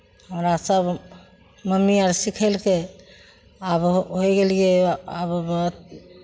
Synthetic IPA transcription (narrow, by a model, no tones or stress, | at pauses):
həmɾasəb | məmːiaɾsikʰəlke | abɦojɡelɡeabbəɦut̪̚